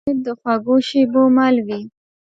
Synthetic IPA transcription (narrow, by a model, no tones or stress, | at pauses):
d̪əxwaɡoʃibomalwi